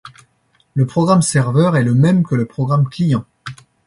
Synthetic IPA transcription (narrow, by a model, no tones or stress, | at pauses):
ləpχɔɡʁamsɛʁvœʁɛləmɛmkələpχɔɡʁamklijɑ̃